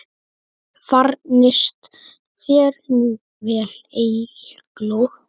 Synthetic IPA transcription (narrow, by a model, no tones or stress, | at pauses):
faɾnɪst̪ | θjɛɾnu | vɛːlejɪhklu